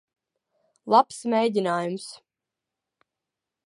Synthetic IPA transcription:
lˠapsmʲejd̪ʲinaːjums

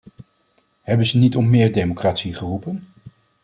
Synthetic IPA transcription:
ɦɛbənzənitɔmmɪːɹdejmokraːtsiχərupən

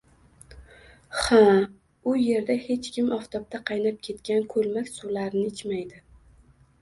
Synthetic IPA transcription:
ha | ʊje̞ɾd̪ahe̞t͡ʃkʲʰɪmɒft̪ʰɒp̚t̪ʰaqʰɑjnap̚kʲʰe̞t̪kʲankʰɵlmakʲsulaɾɪnɪɪt͡ʃmajd̪ɪ

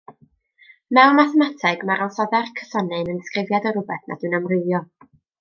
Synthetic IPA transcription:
mɛwnmaθɛmatʰɛɡmaɾɔnsɔðɛrkʰə̥sɔnɨnənskrɪvjadəɾʊbɛθna̰d̥ɨnəmrɨðjɔ

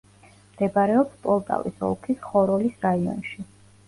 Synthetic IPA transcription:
md̪̥ɛbaɾɛɔpspʼɔlˠt̪ʼa̰vḭsɔ̰lˠkʰisχɔɾɔlisɾaiɔ̰nʃi

